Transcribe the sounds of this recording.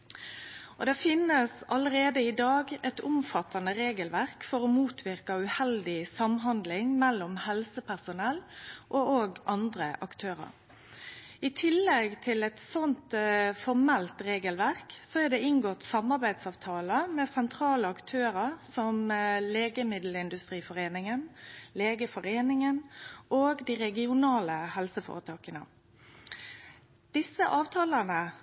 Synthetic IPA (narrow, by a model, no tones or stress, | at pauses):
ʔɔd̪ɛfɪnːəsɑləɾeːd̪əɪd̪ɑːɡɛt̪ʊmfɑt̪ɑnəɾeːɡəlʋæʁkfɔɾɔmuːt̪ʰʋɪɾkɑʉhɛld̪ɪsɑmɦɑnd̪lɪŋmɛlːɔmhɛlsəpʰæʁsʊnɛlʔooːɡʔɑnd̪ɾəʔɑkt̪ʰøːɾɑ̰ɾ | ɪt̪ʰɪlːɛɡt̪ʰɪlɛt̪sɔnt̪fɔʁmɛlt̪ʁeːɡəlʋæʁksɔæd̪ɛɪŋɡoːt̪sɑmɑɾbæɪd̪sɑːʋt̪ʰɑːləmɛsɛnt̪ʰɾɑːləɑkt̪ʰøːɾəɾsɔmleːɡəmɪd̪l̩ɪnd̪ʉst̪ʁiːfɔʁeːnɪŋənleːɡəfɔɾeːnɪŋənʔoːɡd̪iʁɛɡɪʊnɑːləhɛlsəfo̰ːʁət̪ʰɑːkənə̰ | d̪̥ɪsə̰ʔɑːʋt̪ʰɑːlənə